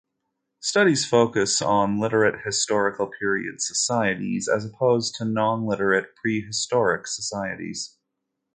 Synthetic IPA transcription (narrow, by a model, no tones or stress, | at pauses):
stʌɾiz̥foʊkɨsn̩lɪɾə˞ɨt̚hɨstɔɹɨkl̩ˠpʰɪɹiɨ̰d̥sə̥saɪɨɾḭzɨ̰zəpʰoʊztʰɨnɑ̃nlɪɾə˞ɨt̚pʰɹ̥iɦɨstɔɹɨksə̥saɪɨ̰ɾḭz̥